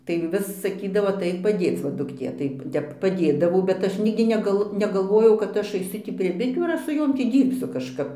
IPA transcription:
tɐɪ ˈʋʲɪs sɐˈkʲiːdɐʋoː ɐˈtɐɪk pɐˈdʲeːt͡s ʋɐ dʊkˈtʲeː tɐɪ ˈtʲɛp pɐˈdʲeːdɐʋɐʊ bʲɛt ˈɐʃ ˈnʲɪɡdʲɪ nʲɛˈɡɐlˠ nʲɛɡɐlˠˈʋoːjɛʊ kɐt ˈɐʃ ɐɪˈsʊ tʲiː pʲrʲiɛ bʲɪˈtʲuː ɐr ˈɐʃ sʊ ˈjoːm ˈtʲiː ˈdʲiːrʲpʲsʲʊ kɐʃˈkɐp

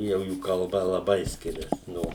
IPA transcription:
jɛʊ ˈjuː kɐlˠˈbɐ lˠɐˈbɐɪ ˈsʲkʲɪrʲɛs ˈnoː

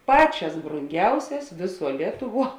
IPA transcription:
ˈpɑːˌt͡ʃʲɛs broːŋʲˈɡʲɛʊsʲɛs ˈʋʲeːˌsuɔ ˈlʲiɛtʊˌʋuɔ

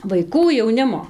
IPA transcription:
ʋɐɪˈkuː jɛʊˈnʲɪmoː

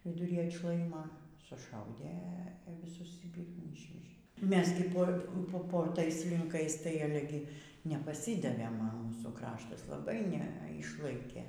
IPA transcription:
ʋʲɪdʊˈrʲiː ɐtˈʃlˠɐɪmɐ sʊˈʃɐʊdʲeː ʋʲɪˈsʊs ˈjiː ˈpʲiːrmuː ˈiːʃʲʋʲɛʒʲeː ˈmʲɛs ɡʲɪ ˈpoː ˈpoː poː ˈtɐɪs lʲɪŋˈkɐɪs tɐɪ ˈɑːlʲɛ ɡʲɪ nʲɛpɐˈsʲɪdɐʋʲeːm ɐ ˈmuːsuː ˈkrɑːʃtɐs lˠɐˈbɐɪ ˈnʲɛ ˈɪʃlˠɐɪkʲeː

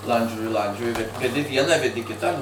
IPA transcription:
ˈlˠɐnʲd͡ʒʲoːjɪ ˈlˠɐnʲd͡ʒʲoːjɪ ʋʲɛt ʋʲɛˈdʲɪ ˈʋʲiɛnɑː ʋʲɛˈdʲɪ ˈkʲɪtɑː

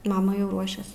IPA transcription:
ˈmɑːmɐ jɛʊ ˈruɔʃʲɛs

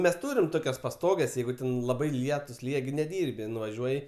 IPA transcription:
mʲɛs ˈtuːrʲɪm ˈtoːkʲɛs pɐˈstoːɡʲɛs ˈjɛɪɡʊ tʲɛn lˠɐˈbɐɪ ˈlʲiɛtʊs ˈlʲiːjɛ ɡʲɪ nʲɛˈdʲiːrʲbʲɪ nʊʋɐˈʒʲuɔjɪ

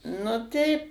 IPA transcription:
nʊ ˈtʲɛɪp

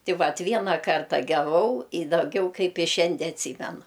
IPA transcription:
ˈtʲɪ ˈʋɐt ˈʋʲiɛnɐ ˈkɐrtɐ ɡʲɛˈʋɐʊ ɪ dɐˈɡʲɛʊ ˈkɐɪp ɪ ˈʃʲɛnʲdʲiɛ ɐtʲˈsʲiːmʲɛnʊ

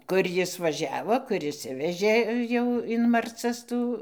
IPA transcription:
ˈkʊr ˈjɪs ʋɐˈʒʲæːʋoː ˈkʊr ɪʃʲˈsʲɪʋʲɛʒʲeː ˈjɛʊ ɪn mɐrˈt͡sɐs ˈtuː

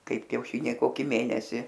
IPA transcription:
ˈkɐɪp kʲɛʊˈʃʲiːnʲɛɪ ˈkoːkʲɪ ˈmʲeːnʲɛsʲɪ

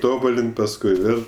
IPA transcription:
ˈtoːbʊlʲɪnʲtʲ pɐsˈkʊɪ ˈʋʲeːlʲ

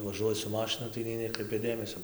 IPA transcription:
ʋɐˈʒuɔjɪ sʊ ˈmɑːʃʲɪnʊ tɐɪ nʲɛɪ ˈnʲæːkrɐɪpʲɛ ˈdʲeːmʲɛsʲoː

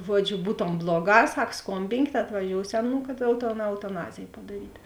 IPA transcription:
ˈʒuɔd͡ʒʲʊ ˈbuːtoːm ˈblˠoːˌɡɑː ˈsɐk ˈskoːmʲbʲɪŋʲkʲeːt ɐtʋɐˈʒʲoːʊsʲoː ˈnuː kɐt ˈjɛʊ toː ɛʊtɐˈnɑːzʲeːj pɐdɐˈrʲiːtʲ

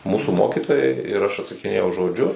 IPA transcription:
ˈmuːsuː ˈmoːkʲɪtoːjɛɪ ɪr ɐʃ ɐtsɐkʲɪˈnʲeːjɛʊ ʒoːˈd͡ʒʲʊ

